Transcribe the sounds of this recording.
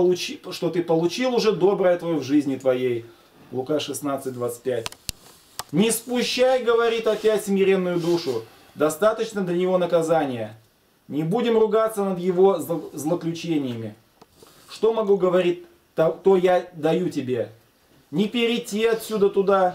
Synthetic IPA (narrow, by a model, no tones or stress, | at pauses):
ʊt͡ɕʂt̪o̞t̪ɨpəlˠʊt͡ɕilˠʊʐɛd̪o̞bɾəjət̪vɐjovʐɨzʲnʲɪt̪vɐjej | lˠʊkaʂɨsnat̪sɨt̚ʲd̪vat̪sɨ̥t̚ʲpʲætʲ | nʲɪspʊɕːajɡəvɐɾʲit̪ɐpʲætʲsmʲɪɾʲe̞nːʊjʊd̪uʂʊ | d̪ɐst̪at̪ət͡ɕnəd̪lʲənʲɪvo̞nəkɐzanʲɪjə | nʲɪbudʲɪmrʊɡat̪sːənəd̪jɪvo̞zzlˠəklʲʉt͡ɕenʲɪjəmʲɪ | ʂt̪o̞mɐɡuɡəvɐɾʲit̚ʲ | t̪ɐt̪ojad̪ɐjutʲɪbʲe̞ | nʲɪpʲɪɾʲɪtʲːiɐt̪sʲud̪ət̪ʊd̪a